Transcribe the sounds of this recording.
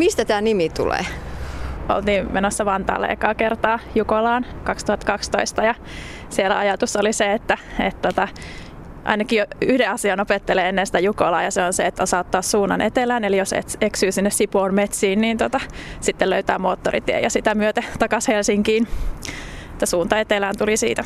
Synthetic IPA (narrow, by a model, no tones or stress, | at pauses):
mist̪æt̪æːnimit̪ṵlḛː | ʔo̰lt̪iːmmenosːɑʋɑnt̪ɑ̰ːlḛːkɑːkert̪ɑːjukolɑːnkɑkst̪uhɑt̪kɑkst̪oist̪ɑjɑ | sielæ̰ɑjɑt̪usːoliseet̪ːæet̪t̪ot̪ɑ | ʔɑ̰inɑkijoyhdeɑsiɑnopet̪ːeleenːensi̥t̪æjukolɑ̰ːjɑseonseet̪ːæsɑːt̪ːɑːssuːnːɑ̰nʔḛt̪elæːnelijosḛt̪eksyːsinːessipoːnmet̪siːnniːnt̪ot̪ɑsit̪ːeløyt̪æ̰ːmoːt̪ːorḭt̪iḛjɑsit̪æmyøt̪æt̪ɑkɑshelsiŋkiːn | et̪ːæsuːnt̪ɑet̪elæːnt̪ulisḭːt̪æ